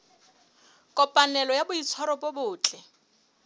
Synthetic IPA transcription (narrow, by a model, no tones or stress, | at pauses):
kʼɔpʼanɛlɔjabʊit͡sʰɔɾɔpʼobʊːt͡ɬʼɛ